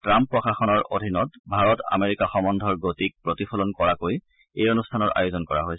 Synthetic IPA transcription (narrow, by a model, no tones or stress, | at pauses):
tɹampːɹɔxaxɔnɔɹodʱinɔtbʱaɹɔta̰meɹikaxɔmɔndʱɔɹɡotik̚pɹotipʰɔlɔnkɔɹakoj | ejonustʰanɔɹa̰jozɔnkɔɹa̰ɦoj